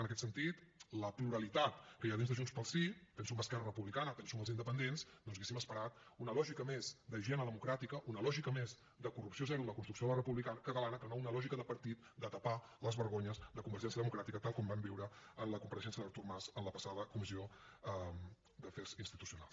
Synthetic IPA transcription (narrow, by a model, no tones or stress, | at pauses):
ənəkɛt̪sənt̪it̪ləpluɾəlit̪at̪kəjaðinzðəʒunspəlˠsip̪ɛnsumbəskɛrərəpuβlikanət̪ɛnsuməlˠzind̪əpənd̪ensd̪ɔnzesiməspəɾat̪unəlɔʒikəmezd̪əʒɛnəðəmukɾat̪ikəʔunəlɔʒikəmez | d̪əkurupsiozɛɾuləkunst̪ɾuksioələrəpuβlikanəkət̪əlanəkənaunəlɔʒikəðəpəɾt̪it̪d̪ət̪əpaləzβəɾɣoɲəzd̪əkumbəɾʒɛnsiəðəmukɾat̪ikət̪alˠkɔmbambiwɾəənləkumpəɾəʃɛnsjəðəɾt̪urmazənləpəsaðəkumizioəm | d̪əfɛrzinst̪it̪usijuna̰lˠs